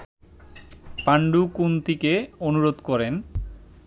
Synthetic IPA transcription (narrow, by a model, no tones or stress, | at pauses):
paɳɖukunt̪ikeonuɾod̪kɔɾen